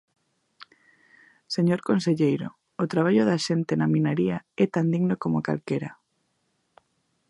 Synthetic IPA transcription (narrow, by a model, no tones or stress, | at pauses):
seɲoɾkonseʎejɾo̰ | ot̪ɾaβ̞aʎoðaʃent̪enaminaɾiaɛt̪and̪iɣnokomoka̰lkeɾa